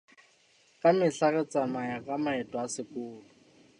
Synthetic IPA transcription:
kʼamɪɬaɣɛt͡sʼamajakʼamaɛtʼɔasɪkʼʊːlʊ

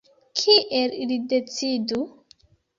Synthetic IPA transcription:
kʰiʔelilidet͡sidu

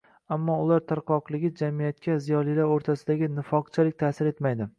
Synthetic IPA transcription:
amːɒʊlaɾt̪ʰaɾqɒqlˠɪɡʲɪd͡ʒamijat̪̚kʲʰazijɒlˠilaɾoɾt̪ʰasɪd̪aɡʲɪnɪfɒqt͡ʃʰalɪk̚ʲt̪ʰaːsɪɾe̞t̪majd̪ɪ

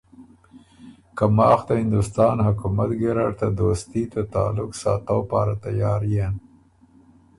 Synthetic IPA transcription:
kamɑːxt̪ahɪnd̪ʊst̪ɑːnhʊkumat̪ɡeɾaɽt̪ad̪ost̪it̪at̪a̰ːlʊksɑ̰ːt̪awpɑ̰ːɾat̪ajɑːɾjen

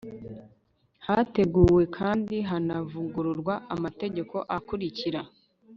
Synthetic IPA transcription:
hate̞ɡuːwe̞kʰaːndiɦanavuɡuɾuɾɡwaʔamate̞ɟe̞ko̞ʔakuɾiciɾa

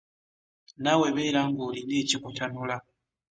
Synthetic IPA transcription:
naweβeɾaŋɡulinit͡ʃikutʰanula

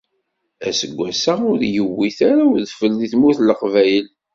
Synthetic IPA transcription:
æsəɡʷːæsaʊɾjəwːiθaɾaʊɾðfəlːiθmuθləqvæjəl

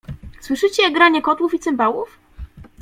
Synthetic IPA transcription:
swɘʂɘt͡ɕɛɡɾaɲɛkɔt̪wufit̪sɛmbawuf

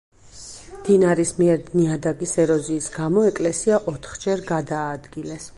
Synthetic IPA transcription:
d̪̥inaɾismiɛɾd̪niad̪aɡisɛɾɔziːsɡamɔɛkʼlɛsiaʔɔt̪ʰχd͡ʒɛɾɡad̪aːd̪ɡilɛs

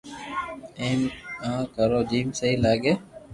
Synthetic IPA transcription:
eːmãːkəɾoːd͡ʒiːmsəɦĩːlaːɡeː

